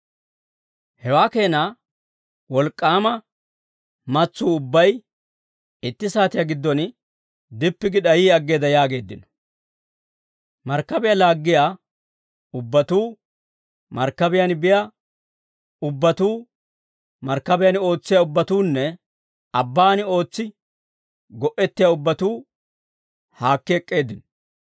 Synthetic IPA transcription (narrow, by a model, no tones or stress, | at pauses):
hɛwaːke̞ːna | wɔlkʼːaːmɐ | mɐt͡sːuːʊbːɐj | ɪt̪ːɪsaːt̪ɪjaɡɪd̪ːɔn | d̪ɪpːɪɡɪɗɐjiːɐɡːe̞ːd̪ɐjaːɡe̞ːd̪ːɪnɔ̥ | mɐɾkːɐbɪjalaːɡːɪjaː | ʊbːɐt̪uː | mɐɾkːɐbɪjɐnbɪja | ʊbːɐt̪uː | mɐɾkːɐbɪjano̞ːt͡sːɪjaʊbːɐt̪uːnːɛ | ɐbːaːnɪo̞ːt͡sːɪ | ɡɔʔɛt̪ːɪjaʊbːɐt̪uː | haːkːɛːkʼːe̞ːd̪ɪnɔ̥